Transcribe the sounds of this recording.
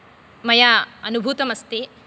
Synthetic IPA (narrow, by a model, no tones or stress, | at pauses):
mɐjaɐnubʱuːt̪ɐmɐst̪e